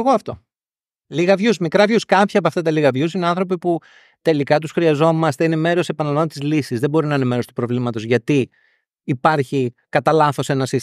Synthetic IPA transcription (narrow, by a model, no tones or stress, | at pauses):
ɣoɐft̪o̞̰ | liɣɐvʝusmikɾɐvjuskɐpçiɐp̬oɐft̪ɐt̪ɐliɣɐvjusineɐ̃nθɾo̞p̬ipu | t̪e̞likɐt̪usxɾiɐzo̞mɐst̪eine̞me̞ɾo̞se̞pɐnɐlɐvot̪izlisizðebo̞ɾinɐine̞me̞ɾo̞st̪u̥pɾo̞vlimɐt̪ozʝɐt̪iː | pɐɾçikɐt̪ɐlɐθo̞se̞nɐsis